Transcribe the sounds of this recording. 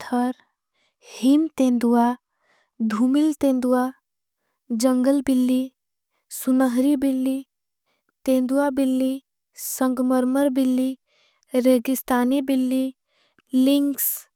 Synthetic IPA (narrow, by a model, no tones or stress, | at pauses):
t̪ʰəɾ | himt̪ẽːnd̪uwa | d̪ʱuːmɪlt̪ẽːnd̪uwa | d͡ʒəŋɡəlbɪlːi | sʊnəɦɾibɪlːi | t̪ẽːnd̪uabɪlːi | sə̃ŋɡməɾməɾbɪlːi | ɾeːɡɪst̪aːnibɪlːi | lɪŋks